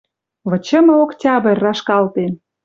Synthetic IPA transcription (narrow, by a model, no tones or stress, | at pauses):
βə̆t͡ɕə̆mə̆oktʲɑbə̆rʲːɑʃkɑlt̪e